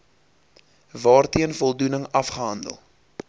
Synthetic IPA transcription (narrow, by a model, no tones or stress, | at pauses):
vɑːrtiənfɔlˠdunəŋɐfχəɦɐndə̰lˠ